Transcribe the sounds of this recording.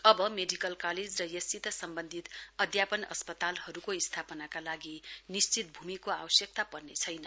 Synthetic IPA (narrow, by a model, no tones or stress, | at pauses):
ʌbʌmeɖikʌlkaled͡zrʌjʌsit̪ʌsʌmbʌnd̪ʱit̪ʌd̪ʱjapʌnʌ̰spʌt̪alhʌɾukoist̪ʰapʌnakalaɡinist͡sit̪̚bʱumikoawʌsjʌk̚t̪apʌrnet͡sʰʌjnʌ